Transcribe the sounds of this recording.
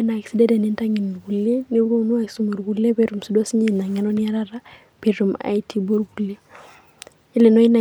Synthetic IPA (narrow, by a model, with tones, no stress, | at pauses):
na˨ksi˦dɛ˦dɛ˨nɛ˦nta˦ŋɛ˨n˨ɡu˨le˦ne˦u˦ɾo˦no˦a˨ki˨su˦mo˨ɾɡu˨le˦βe˦ɾu˨msu˦dɔ˦si˦ɲe˦i˨na˨ŋɛ˨nɔ˦nɪ˦a˦ɾa˦ɾa˦ | pe˨ɾu˨ma̰˨jti˦bo˦ɾɡu˨le˦ | e˦le˨nɔ˦i˦na˨